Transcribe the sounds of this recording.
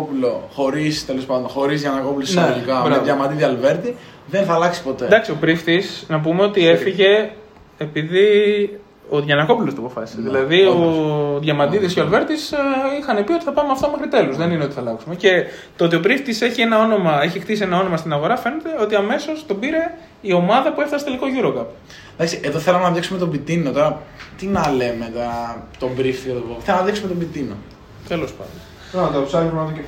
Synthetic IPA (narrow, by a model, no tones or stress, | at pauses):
opuloxo̞ɾist̪elo̞spɐnd̪onxo̞ɾizʝɐnɐko̞pulosneelikɐbɾɐðʝɐmɐnd̪iðiɐlve̞ɾt̪i | ðenθɐlɐksi̥po̞t̪ed̪ɐksio̞pɾift̪isnɐp̬ume̞o̞t̪ie̞fiʝe̞ː | piði | o̞ðʝɐnɐko̞pulo̞st̪oɐpo̞fɐsi̥seðilɐðio̞ðʝɐmɐd̪iðiscoɐlve̞ɾt̪isixɐnepio̞t̪i̥θɐpɐmeɐft̪ome̞xɾit̪e̞lozðenineo̞t̪iθɐlɐksume̞ce̞ | t̪oot̪̬iobɾift̪ise̞çie̞nɐo̞no̞mɐe̞çixt̪isie̞nɐo̞no̞mɐst̪inɐɣo̞ɾɐfe̞ne̞t̪e̞o̞t̪iɐme̞so̞st̪o̞biɾe̞ | io̞mɐðɐpue̞ft̪ɐst̪eliko̞ʝuɾo̞kɐp | d̪ɐksiʔeðoθelumenɐvjɐksumet̪o̞bit̪inot̪oɾɐt̪inɐle̞met̪ɐt̪o̞bɾift̪iɐt̪opoθelɐmnɐðiksumet̪obit̪ino̰ | t̪elo̞spɐ̰nd̪on | t̪oɐusɐɾzumɐt̪oe